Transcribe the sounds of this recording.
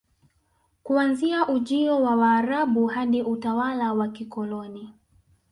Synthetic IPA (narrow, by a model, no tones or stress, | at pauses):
kuanziaʔuʄiɔwawaːɾaɓuhaɗiʔutawalawakikɔlɔni